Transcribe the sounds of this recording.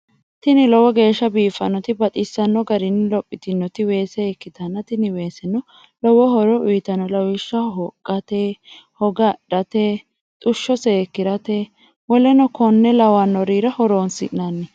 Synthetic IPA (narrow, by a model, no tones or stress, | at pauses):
t̪ɪnɪlɔwɔɡe̞ːʃːɐbiːfɐnːɔt̪ɪbɐt̪ʼɪsːɐnːɔɡɐɾɪnːɪlɔpʼːɪt̪ɪnːɔt̪ɪwe̞ːsɛːkːɪt̪ɐnːɐt̪ɪnɪwe̞ːsɛnːɔ | lɔwɔɦɔɾɔʊjɪt̪ɐnɔlɐwɪʃːɐɦɔkʼːɐt̪eːhɔɡɐɗɐt̪e | t̪ʼʊʃːɔseːkːɪɾɐt̪e | wɔlɛnɔkʰɔnːɛlɐwanːɔɾiːɾɐhɔɾoːnsɪ̰ʔnanːɪ